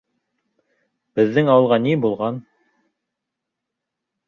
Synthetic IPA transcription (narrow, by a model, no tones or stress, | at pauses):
b̥ɘ̆ðːɘŋɑwɤ̆lˠʁɑnibulˠʁɑn